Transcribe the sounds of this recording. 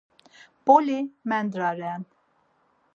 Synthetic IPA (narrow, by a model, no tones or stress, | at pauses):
b̥ɔlimɛnd̪ɾaɾɛn